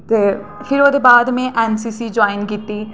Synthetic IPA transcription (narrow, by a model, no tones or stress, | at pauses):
t̪eː | fʰɪɾoːd̪ebaːd̪mẽʔɛːnsiːsid͡ʒɔːɪnkiːt̪ːi